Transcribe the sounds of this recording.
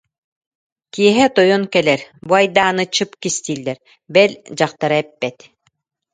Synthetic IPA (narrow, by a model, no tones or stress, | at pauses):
kiɛɦɛt̪ɔjɔnkɛlɛɾbuajd̪aːnɯt͡ɕɯpkist̪iːlːɛɾ | bɛlʲd͡ʑaχt̪aɾaɛpːɛt̪